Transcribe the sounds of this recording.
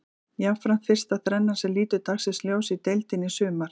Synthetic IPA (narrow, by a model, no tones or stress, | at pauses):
jafɾamfɪr̥st̪aθɾɛnːasɛliːt̪ʏt̪ʰaxsɪsljoːwsit̪ejlt̪ɪnːɪsʏːmaɾ̥